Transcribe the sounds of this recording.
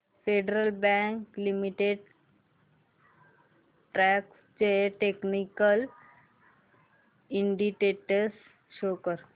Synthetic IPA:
feɖɾəlbɛŋklimiʈeɖ | ʈɾɛk | t͡ɕeʈeknikəl | iɳɖikeʈəs | ʃokəɾ

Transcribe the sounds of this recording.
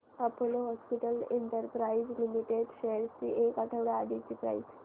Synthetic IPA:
apoloɦɔspiʈəleɳʈəɾpɾaizlimiʈeɖselst͡ɕiʔekaʈʰəʋɽaaɽit͡ɕiːpɾa̰is

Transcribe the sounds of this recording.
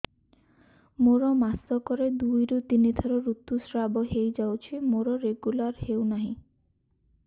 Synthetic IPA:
moɾɔmasɔkɔɾed̪ujɾut̪inid̪ʱɔɾɔɾut̪ːusɾabɔɦejd͡ʒawt͡ʃʰimoɾɔɾeɡulaɾhewnaɦĩ

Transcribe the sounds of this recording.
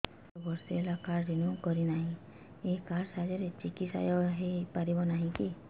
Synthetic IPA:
ɔbɔɾsielakaɾdinũkɔɾinaɦĩ | ekaɾsad͡ʒɔɾet͡ʃikitsa̰jɔɦepaɾibɔnaɦĩki

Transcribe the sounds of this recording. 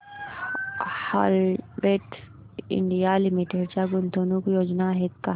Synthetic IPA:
ha̰ːlbeːʈ | ɪ̰ɳɖijalimiʈeɾt͡ʃaɡʊnd̪ʱoːnukjoːd͡ʒnaɦek̪a

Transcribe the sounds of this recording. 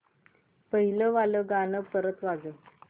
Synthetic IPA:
pəɦiləʋaləɡanəpəɾət̪ʋad͡zə

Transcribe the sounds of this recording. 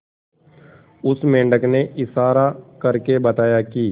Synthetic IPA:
ʊsmẽːɳɖəkneʔɪsaːɾakəɾkebət̪aːjaːkiː

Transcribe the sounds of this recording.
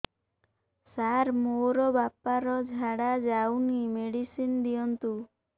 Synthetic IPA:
saɾmoɾɔbapaɾɔd͡ʒʱaɽad͡ʒawnimeɽisind̪iɔnt̪u

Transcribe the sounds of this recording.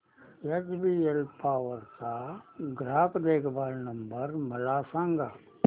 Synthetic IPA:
et͡ʃbiːelpaːʋəɾkaːɡɾaːkd̪eːkʰbaːlnɐ̃mbəɾmɐlaːsãːŋɡaː

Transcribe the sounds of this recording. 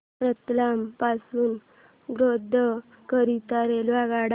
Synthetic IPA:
pɾət̪lampasuːn | ɡɾod̪ʱə | kəɾit̪aɾelʋaɡaɽ

